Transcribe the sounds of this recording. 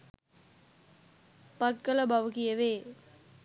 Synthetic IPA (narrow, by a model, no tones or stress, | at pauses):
pɐt̪̚kələbaʋukijəʋeː